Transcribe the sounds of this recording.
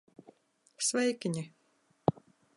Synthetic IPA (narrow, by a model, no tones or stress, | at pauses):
svɛjkʲiɲʲi